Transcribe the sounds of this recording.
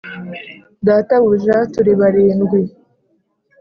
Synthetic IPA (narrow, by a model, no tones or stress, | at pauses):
daːtaβuʒatuɾiβaɾiːnɡwi